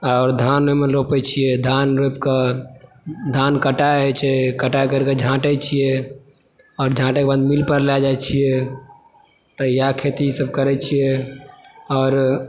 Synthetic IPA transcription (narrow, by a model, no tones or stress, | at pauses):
ɔːɾd̪ʱanɾomelopɛt͡ʃʰijɛd̪ʱanɾopke | d̪ʱankəʈaɛt͡ʃʰɛkəʈajkəɾked͡ʒʱãʈɛt͡ʃʰijɛ | ɔːɾd͡ʒʱãʈekebad̪milpəɾlad͡ʒat͡ʃʰijɛ | t̪ɔjakʰet̪isəbkəɾɛt͡ʃʰijɛ | ɔːɾ